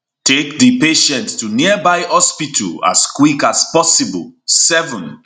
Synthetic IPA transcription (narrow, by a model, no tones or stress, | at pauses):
tʰekdipeʃɛ̃nttuniəbaɪhɔspitʰəla̰skwikaspɔsibə̰lsɛvə̃n